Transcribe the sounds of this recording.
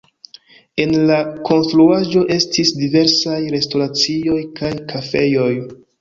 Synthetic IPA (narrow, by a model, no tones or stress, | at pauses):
e̞nlako̞nstɾuaʒo̞ʔe̞stisdive̞ɾsajɾe̞sto̞ɾat͡sio̞jkʰajkʰafe̞jo̞j